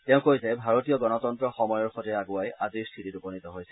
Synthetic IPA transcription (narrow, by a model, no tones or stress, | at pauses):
tɛ̃ʊ̃kojzɛbʱaɹotijɔɡɔnɔtɔntɹɔxɔmɔjɔɹxɔtiaɡʊajaziɹstʰitituponit̪ɔɦojsɛ